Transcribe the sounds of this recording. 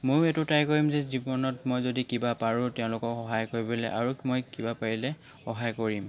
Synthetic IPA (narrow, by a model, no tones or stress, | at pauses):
mojɛtʊtajkoɹimzɛzibɔnɔtmojzodikibapaɹʊtɛʊ̃lʊkɔkxɔɦajkoɹibelɛ̰ʔa̰ɹumojkibapaɹilɛ | xɔɦajkoɹim